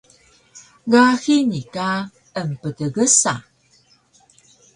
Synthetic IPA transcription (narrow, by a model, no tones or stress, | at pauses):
ɡaxinika | əmpədəɡəsa̰